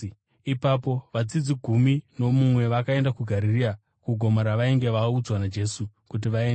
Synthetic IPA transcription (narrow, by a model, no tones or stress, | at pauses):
ipapo̞ʋat͡sid͡ziɡʱumino̞mumwe̞ʋakae̞ndakuɡʱaɾiria | kuɡʱo̞maɾaʋaiŋɡe̞ʋaud͡zwanad͡ʒe̞su | kut̬iʋaen